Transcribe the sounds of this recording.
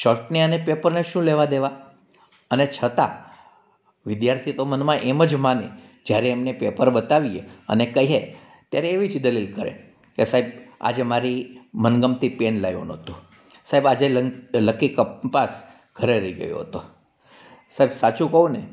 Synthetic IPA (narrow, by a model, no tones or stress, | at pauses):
ʃɔɾʈneənepepəɾneʃũleʋad̪eʋa | ənet͡ʃʰət̪a̰ | ʋɪd̪jaɾt̪ʰit̪omənmãʔeməd͡ʒmane | d͡ʒjaɾeːmnepepəɾbət̪aʋieə̰nekəiɦe | t̪jaɾeːʋit͡ʃʰd̪əlilkəɾḛ | kesaɦeba̰d͡ʒemaɾimənɡəmt̪ipenlajʋo̰nɦət̪u | saɦebad͡ʒelələkːikəpas | ɡʱəɾeɾəiɡə̰jo̰ɦət̪o | saɦebsat͡ʃũkəũne